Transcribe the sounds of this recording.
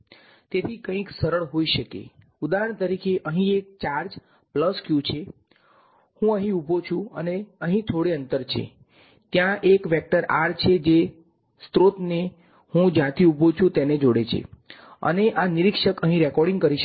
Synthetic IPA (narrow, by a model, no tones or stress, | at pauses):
t̪et̪ʰikə̃ĩksəɾəɭɦoiʃəkḛ | ud̪aɦəɳt̪əɾikeʔəɦĩek̚t͡ʃaɾd͡ʒ | pləskjũt͡ʃʰe | hũəɦĩubʱot͡ʃʰũəneəɦĩt̪ʰoɽeənt̪əɾt͡ʃʰḛ | t̪jãʔekʋɛk̚ʈəɾaɾt͡ʃʰed͡ʒe | st̪ɾot̪ne | hũd͡ʒjãt̪ʰiubʱot͡ʃʰũt̪ened͡ʒoɽet͡ʃʰḛə̰neʔaniɾikʃəkəɦĩɾɛkɔɾɽĩŋɡ̚kəɾiʃ